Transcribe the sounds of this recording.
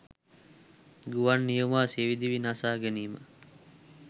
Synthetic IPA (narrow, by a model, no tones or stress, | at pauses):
ɡuʋanːijumaːseʋid̪iʋinasaːɡeniːmə